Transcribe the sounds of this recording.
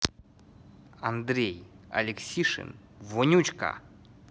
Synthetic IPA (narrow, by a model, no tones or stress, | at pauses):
ɐnd̪ɾʲejɐ̰lʲɪksʲiʂɨ̰n | vonʲut͡ɕka̰